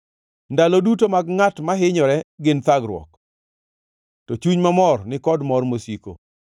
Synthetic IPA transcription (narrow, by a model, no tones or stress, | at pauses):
ndalodutomaɡŋatmaɦɪɲɔɾɛɡɪnt̪aɡɾwɔ̰k | tɔt͡ʃuɲmamɔrnɪkɔdmɔrmosiko̰